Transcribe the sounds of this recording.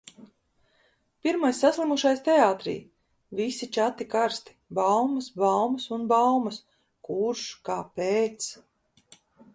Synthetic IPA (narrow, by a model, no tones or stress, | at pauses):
piɾmajsːaslˠimuʃajst̪ɛaːt̪ɾḭː | visit͡ʃat̪ikaɾst̪i̥bawmɐsbawmɐsunbawmɐs | kuɾʃkaːpeːt̪s